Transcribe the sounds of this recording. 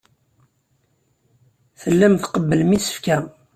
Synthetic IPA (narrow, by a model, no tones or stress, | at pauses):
θəlːæmθqəbːəlmisə̥fkæ